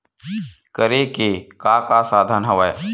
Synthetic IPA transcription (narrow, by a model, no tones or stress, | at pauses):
kəɾekekaːkasaːd̪ʱanɦɐʋae